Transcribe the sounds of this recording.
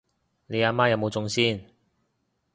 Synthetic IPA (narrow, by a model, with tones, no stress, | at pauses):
ne˨˧jaː˧maː˥jɐ˨˧wmo˨˧t͡sʊ˧ŋsiː˥n